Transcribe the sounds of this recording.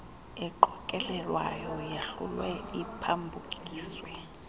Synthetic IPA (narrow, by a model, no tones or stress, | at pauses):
ɛǃɔkʼɛlɛlwa̰jɔjeɬṵlwɛipʰambʱukʼiːswɛ